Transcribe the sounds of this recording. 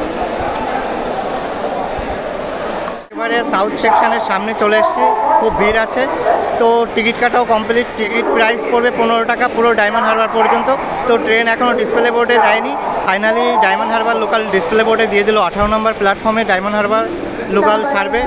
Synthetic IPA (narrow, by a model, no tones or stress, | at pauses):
kebaɾesawt̪ʰʃekʃaneɾʃamnet͡ɕoleaʃt͡ɕʰekʰubbʱiɾat͡ɕʰet̪oʈikiʈkaʈaokɔmpliʈʈikiʈ̚pɾajspoɾbepunoɾoʈakapuɾoɖajmanɖɦaɾbaɾpɔɾd͡ʑont̪o | t̪oʈɾenɛkʰonoɖispeleboɾɖed̪ajnifajnaliɖajmanɖɦaɾbaɾlokalɖispleboɾɖed̪ijed̪iloaʈʰaɾonambaɾplaʈfɔɾmeɖajmanɖɦaɾbaɾː | okalt͡ɕʰaɾbe